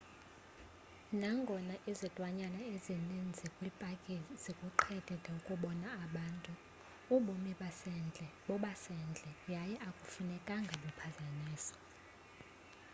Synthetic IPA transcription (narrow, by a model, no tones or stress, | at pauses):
naŋɡʱɔnaʔizɛtʼwaɲanaezinind͡zʱikʼwipʼakʼizikʼuǃʰɛd̥ʼʱɛdʱʼɛukʼuɓɔnaːɓantʼuː | ɓumiɓasɛnd͡ɮʱɛɓɔɓasɛnd͡ɮʱɛjajɛʔakʼufunɛkʼaŋɡʱaɓupʰazaniːsɔ̥